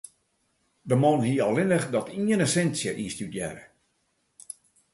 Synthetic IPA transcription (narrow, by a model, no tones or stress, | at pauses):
dəmonhiəɔlɪnəxdɔtʰiənəsɛnsjəʔiːstydjɛ̰ɾə